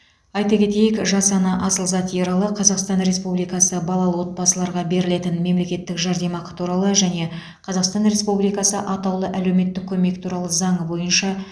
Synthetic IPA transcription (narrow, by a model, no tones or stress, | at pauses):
ɑjt̪ɑkʲʰe̞t̪e̞jɪkʒɑsɑnɑʔɑsəlˠzɑt̪ijeɾɑlˠəqʰɑzɑqst̪ɑnɾe̞spublijkɑsəbɑlˠɑlˠəwo̞t̪̚bɑsəlˠɑɾʁɑbe̞ɾɪle̞t̪ɪnme̞mle̞kʲe̞t̪ːɪkʒɑɾd̪e̞mɑqə̥t̪ʰuɾɑlˠəʒæne̞ | qʰɑzɑqst̪ɑnɾe̞spublijkɑsəʔɑt̪ɑwlˠəʔælewme̞t̪ːɪkʲʰɵme̞kt̪ʰuɾɑlˠəzɑɴəbo̞jənʃɑ